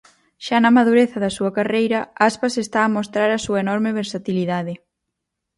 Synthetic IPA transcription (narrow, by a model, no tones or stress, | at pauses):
ʃanɐmaðuɾeθɐðɐsuɐkarejɾɐaspasest̪aːmost̪ɾaɾɐsuɐenɔɾmɪβeɾsat̪iliðaðɪ